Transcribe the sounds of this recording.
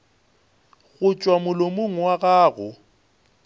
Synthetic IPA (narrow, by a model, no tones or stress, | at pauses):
ɣʊt͡ʃʼwamʊlomoŋ̩waɣaːɣʊ